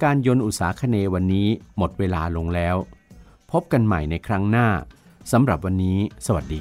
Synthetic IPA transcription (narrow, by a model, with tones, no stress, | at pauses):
kaː˧njo˧nʔu˨˩t̪̚saː˩˦kʰa˧neː˧wa˧nːiː˦˥mo˨˩t̪̚weː˧laː˧lo˧ŋlɛː˦˥w | pʰo˦˥p̚ka˧nma̰˨˩jna˧jkʰɾa˦˥ŋnaː˥˩ | sa˩˦mɾa˨˩p̚wa˧nːiː˦˥sa˧wa˨˩t̪̚diː˧